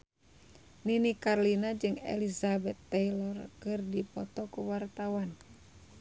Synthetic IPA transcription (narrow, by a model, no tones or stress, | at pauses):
ninikarlinad͡ʒɨŋɛ̰lizabɛt̪ːɛjlɔrkɨrdipɔt̪ɔkuwart̪awan